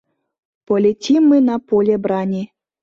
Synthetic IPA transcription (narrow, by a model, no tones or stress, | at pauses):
polʲetʲimːɨnapolʲebɾanʲi